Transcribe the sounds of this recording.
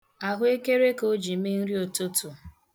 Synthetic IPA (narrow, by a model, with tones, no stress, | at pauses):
a˨ɦʊ˦e˦ke˦ɾe˦ko˦d͡ʒi˨me˦n̩˦ɾi˦o˨to˦tu˨